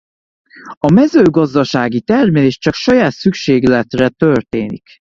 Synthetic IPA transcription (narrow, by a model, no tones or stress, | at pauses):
ɒmɛzøːɡɒzd̪ɒʃaːɡit̪ɛrmɛleːʃt͡ʃɒkʃɒjaːt̪sykʃeːɡlɛt̪rɛt̪ørt̪eːnḭk